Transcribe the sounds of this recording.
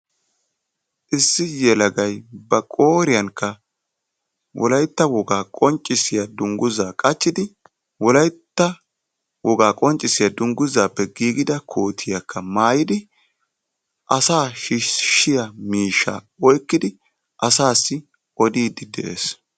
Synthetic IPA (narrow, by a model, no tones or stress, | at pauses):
ʔɪsːɪjɛlɐɡɐjbɐkʼoːɾɪjɐŋkːɐ | wʔɔ̰lɐjt̪ːɐwɔɡaːkʼɔnt͡ʃʼːɪsɪjad̪ʊŋɡʊzaːkʼɐt͡ʃːɪd̪ɪ | wɔlɐjt̪ːɐ | wɔɡaːkʼɔnt͡ʃʼːɪsɪjad̪ʊŋɡʊzaːpːɛɡiːɡɪd̪ɐkʰo̞ːt̪ʰɪjɐkʰːɐmaːjɪd̪ɪ | ʔɐsaːʃɪʃɪjɐmiːʃːa̰ | ɔjkːɪd̪ɪ | ʔɐsaːsːɪ | ɔd̪iːd̪ɪd̪ɛʔḛːs